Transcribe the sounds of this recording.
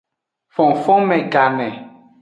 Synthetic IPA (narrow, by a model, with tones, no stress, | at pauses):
fɔ̃˨ŋfɔ˦mɛ˨ɡa˨nɛ˨